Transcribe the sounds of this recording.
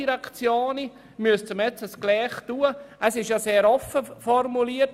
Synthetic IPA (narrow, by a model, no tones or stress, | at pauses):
iɾakt͡sjoːni | myəst͡sʊmɛt͡səsklɛːχtuːəʔəsɪʃjɑseːɾɔfəfɔrmuliət